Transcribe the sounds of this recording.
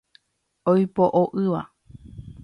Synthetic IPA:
ojpoʔoʔɨʋa

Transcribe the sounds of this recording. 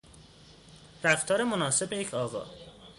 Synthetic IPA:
ɾæxt̪ʰɒːɾemonɒːse̞bejecʰɒːɣɒ̰ː

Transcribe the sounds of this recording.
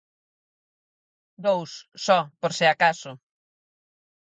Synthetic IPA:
d̪owssɔpoɾseakasʊ

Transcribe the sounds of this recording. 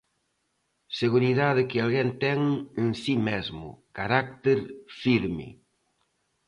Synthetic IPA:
seɣuɾiðaðɪkɪalɣent̪ɛŋensimezmʊ̰kaɾak̚t̪eɾfiɾmɪ̰

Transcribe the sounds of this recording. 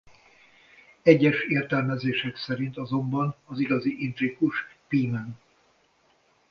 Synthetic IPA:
ɛɟːɛʃeːrt̪ɛlmɛzeːʃɛksɛɾint̪ɒzo̞mbɒnɒziɡɒziʔint̪rikuʃpiːmɛn

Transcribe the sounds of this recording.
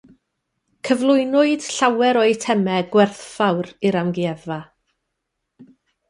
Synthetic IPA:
kʰəvlˠʊɨnʊɨd̥ɬawɛɾɔɨtʰɛmɛɡwɛrθfawɾɪɾamɡɪɛva

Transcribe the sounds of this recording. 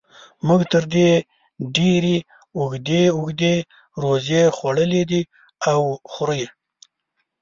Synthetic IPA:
muɡt̪əɾd̪e | ɖeɾe | ʊɡd̪eʊxd̪e | ɾozjexwaɽəled̪i | awxɾəje

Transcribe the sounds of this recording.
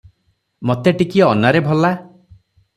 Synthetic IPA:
mɔt̪eʈikiɔnaɾebʱɔla

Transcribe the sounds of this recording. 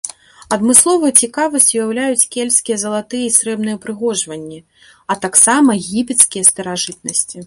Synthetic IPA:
ɐd̪mɨslˠɔvɨjt͡sʲikavɐsʲt͡sʲujawlʲajut͡sʲkʲelʲsʲkʲijɐzɐlˠat̪ɨjɐisɾɛbn̪ɨjɛpɾɨɣɔʐvɐnʲːi | ɐt̪aksamɐɣʲipʲɛt̪skʲijɐst̪ɐɾaʐɨt̪̚nɐsʲt͡sʲi

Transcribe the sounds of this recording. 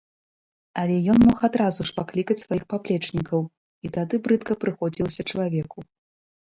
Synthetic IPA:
ɐlʲɛjɔnmɔxad̪ɾazuʂpaklʲikɐt͡sʲsvajixpaplʲɛt͡ʂnʲikɐw | it̪ad̪ɨbɾɨt̪kɐpɾɨxɔd͡zʲilˠɐsʲɐt͡ʂɐlˠavʲɛku

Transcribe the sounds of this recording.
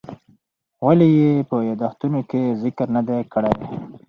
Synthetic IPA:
walijepəjɑd̪ɑxt̪unokezɪkɾnad̪ekəɽed̪e

